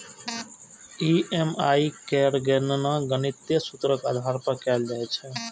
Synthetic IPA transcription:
iemaikɛɾɡennəɡənit̪jəsut̪ɾəka̰d̪ʱaɾpəkɛld͡ʒajt͡ʃʰɛ

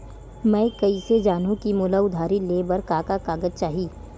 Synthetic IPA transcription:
mɛ̃ːkɐised͡ʒaːnõkimuːlaʊd̪ʱaːɾileːbəɾkaːkakaːɡəzt͡ʃaːɦiː

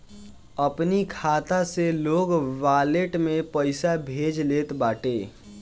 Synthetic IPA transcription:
əpnikʰaːt̪aseloːɡʋaːleʈmẽpəɪsabʱeːd͡ʒleːt̪baːʈeː

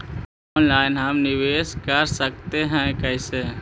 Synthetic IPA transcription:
ɔːnlaːɪnɦəmnɪʋeːskəɾsək̚t̪eɦɛ̃kɛɪse

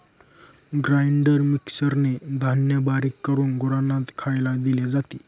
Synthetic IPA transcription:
ɡɾajiɳɖəɾmiksəɾned̪ʱanjəbaɾikːəɾuːnɡuɾanːat̪kʰajlad̪iljad͡zat̪iː

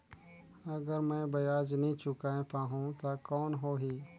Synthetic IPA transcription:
ɐɡəɾmɛ̃ːbɐjaːd͡ʒnĩt͡ʃʊkaːẽpaːɦũt̪akɔːnɦoːɦiː

